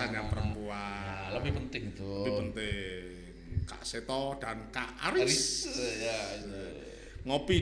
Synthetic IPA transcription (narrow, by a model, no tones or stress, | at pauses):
aɲapəɾəmpualəbɪhpənt̪ɪhit̪uəbɪhpənt̪ɪh | ka̰ʔset̪ɔd̪̥ankaʔaɾɪs | ŋopi